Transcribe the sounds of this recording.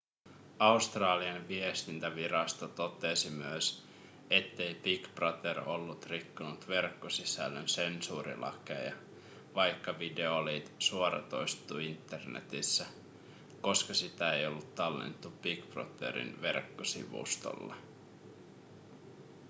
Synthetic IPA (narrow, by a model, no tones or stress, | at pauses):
ɑust̪rɑːliɑnʋie̞st̪int̪æʋiɾɑst̪ot̪o̞t̪esimyøs | e̞t̪ːe̞jpikprɑt̪ero̞lːut̪rikːunut̪ʋe̞rkːosisæ̰lːønse̞nsuːɾḭlɑ̰ke̞̰jɑ | ʋɑjkːɑʋide̞olit̪suoɾɑ̰t̪o̞̰jst̪ːˑuːint̪ːe̞rnḛt̪isːæ | ko̞skɑsit̪æejo̞lːut̪ːɑlːḛnt̪ːupikpro̰t̪ḛɾḭnʋe̞̰rkːosḭʋṵst̪o̰lːɑ̰